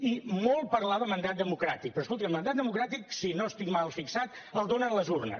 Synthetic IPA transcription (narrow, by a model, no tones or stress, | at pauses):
imɔlˠpəɾlaβəmənd̪at̪̚d̪əmukɾat̪ik̚pəɾɔskolˠt̪ikəmənd̪at̪̚d̪əmukɾat̪iksinoəst̪ikmalˠfiksat̪ | əlˠd̪onələzurnə̰